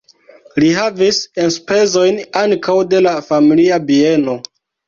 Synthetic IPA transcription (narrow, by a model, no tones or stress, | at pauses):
liɦavisenspe̞zo̞jnaŋkʰawde̞lafamiliabie̞no̞